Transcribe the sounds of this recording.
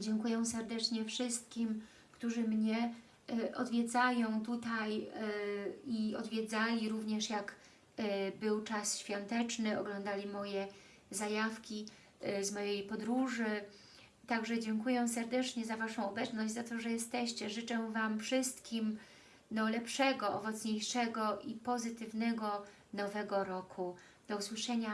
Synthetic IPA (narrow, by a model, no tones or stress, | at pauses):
d͡ʑɛŋkujɛw̃sɛɾd̪ɛt͡ʂɲɛfʂɘst̪̚kʲim | kt̪uʐɘmɲɛ | ʔɔ̰d̪vʲjɛd̪zajɔ̃w̃t̪ut̪aj | iɔ̰d̪vʲjɛd̪zalʲiɾuvɲɛʂjak | bɘwt͡ʂasɕfʲjɔnt̪ɛt͡ʂnɘɔɡlɔnd̪alʲimɔjɛ | zajafkʲi | zmɔjejpɔd̪ɾuʐɘ | t̪aɡʐɛd͡ʑɛŋkujɛsɛɾd̪ɛt͡ʂɲɛzavaʂɔ̃w̃ɔbɛt̪snɔʑd͡ʑʲzat̪ɔʐɛjɛst̪ɛɕt͡ɕɛʐɘt͡ʂɛvamfʂɘst̪kʲim | nɔlɛpʂɛɡɔʔɔvɔt̪sɲejʂɛɡɔʔipɔzɘt̪ɘvnɛɡɔ | nɔvɛɡɔɾɔkʰu | d̪̥ɔuswɘʂɛɲa